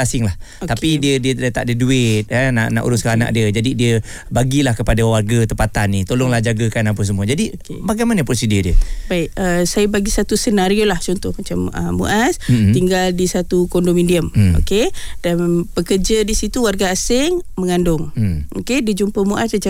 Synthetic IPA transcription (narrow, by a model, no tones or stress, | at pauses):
asɪŋlah | t̪apidiədiədət̪a̰ʔdəduɪt̪̚əna̰ʔna̰ʔṵɾʊskaana̰ʔdiəd͡ʒadidiə | baɡilahkəpadawarɡat̪əpat̪anːit̪olɔŋlahd͡ʒaɡakanap̬əs̬əmuəd͡ʒadi | baɡajmanəp̬ɾosidiədiəbaɪʔəsajəbaɡisat̪usənaɾiolaht͡ʃɔnt̪ʊhmat͡ʃamə̰ːṵʔasiŋɡaldisat̪ukɔndomindiəmo̰ked̥anpəkərd͡ʒadisit̪uwarɡaːsɪŋməŋandʊŋokedid͡ʒumpəmuʔasdət͡ʃa